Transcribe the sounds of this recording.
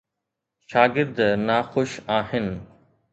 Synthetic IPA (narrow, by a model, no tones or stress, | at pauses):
ʃaːɡɪɾd̪naːxoʃaːɦɪnɪ̆